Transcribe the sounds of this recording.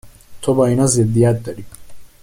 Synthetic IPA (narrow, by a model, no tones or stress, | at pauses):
t̪ʰɔbainazɛd̪iad̪ːaɾi